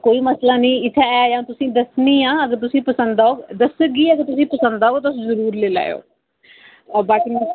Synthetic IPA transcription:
koːiːməslaːnĩːɪt̪ʰːaːɛːd͡ʒãːt̪ʊsĩːd̪əsniːãːəɡəɾt̪ʊsĩːpəsə̃nd̪aoːɡd̪əsəɡiːəɡəɾt̪ʊsĩːpəsə̃nd̪aːoːt̪asĩːzəɾuːɾleːla̰ːḛo̰ː | baːkɪn

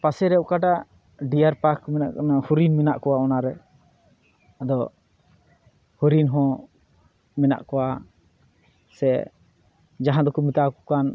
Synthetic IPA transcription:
pasɛɾɛɔkaɖaʔ | ɖiaɾpakmɛna̰ʔkanahuɾinmɛnaʔkɔwaɔnaɾɛ | ad̪ɔ | huɾinɦɔ̃ | mɛna̰ʔkɔwa | sɛ | d͡ʒaɦãd̪ɔkumit̪akɔkan

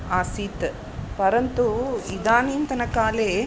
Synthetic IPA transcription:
aːsiːt̪ | pɐɾɐnt̪uid̪aːniːnt̪ɐnɐkaːle

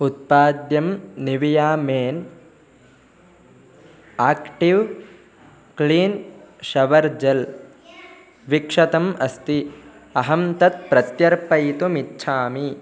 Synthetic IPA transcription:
ut̪̚paːd̪jɐmniʋijaːmeːn | aːkʈiʋ | kliːnʃɐʋɐɾd͡ʒɐl | ʋikʂɐt̪ɐmɐst̪iɐɦɐmt̪ɐt̪̚pɾɐt̪jɐɾpɐjt̪umitːʃʰaːmi

